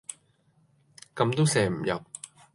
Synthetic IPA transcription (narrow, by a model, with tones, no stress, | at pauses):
kɐ˧˥mt̪o˥wsɛː˨˩m̩˨˩jɐ̰˨˩p̚